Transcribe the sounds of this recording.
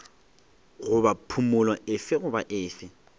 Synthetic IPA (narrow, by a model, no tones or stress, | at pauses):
ɣʊbapʰumʊlwaʔɪfɪɣʊbaʔɪːfɪ